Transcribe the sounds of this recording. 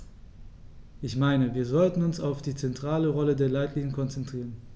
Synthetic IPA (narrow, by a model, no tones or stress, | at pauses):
ʔɪçmaɪnəviːɐzɔltn̩ʊnsaʊfd̥iːt͡sɛntʁ̥aːləʁɔlədeːɐlaɪtʰliːnənkʰɔnt͡sɛntʁ̥iːʁən